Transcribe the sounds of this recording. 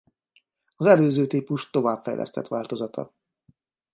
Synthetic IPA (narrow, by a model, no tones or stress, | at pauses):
ɒzɛløːzøːt̪iːpuʃt̪o̞vaːpfɛ̰jlʔɛ̰st̪ɛt̪ʋaːlt̪o̞zɒt̪ʰɒ̰